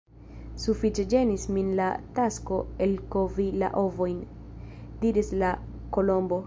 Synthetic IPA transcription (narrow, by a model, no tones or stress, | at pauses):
sufit͡ʃe̞d͡ʒe̞nisminlatasko̞e̞lkovila̰ʔo̞vo̞jn | diɾisla | ko̞lo̞mbo̞